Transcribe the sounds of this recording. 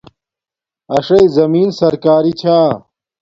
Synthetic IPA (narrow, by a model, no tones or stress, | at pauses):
ɐʂɐizɐmiːnsɐɾkaːɾit͡ɕʰaː